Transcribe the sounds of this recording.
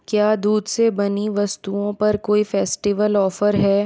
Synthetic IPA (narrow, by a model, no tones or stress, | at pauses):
kjaːd̪uːd̪sebɐniʋɐst̪uõpɐɾkoːifɛːsʈiʋəlɔːfəɾɦɛː